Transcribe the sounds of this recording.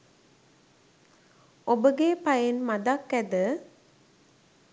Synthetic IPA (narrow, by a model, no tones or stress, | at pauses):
obəɡepajenmad̪akːæd̪ə